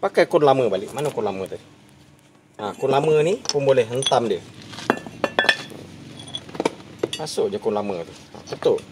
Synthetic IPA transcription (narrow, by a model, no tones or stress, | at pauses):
pakajkunlaməbaliʔmanəkunlamət̪ɛ | nakunlamənipumbolɛhɦənt̪amdiə | masʊʔd͡ʒakunlamət̪una̰sət̪o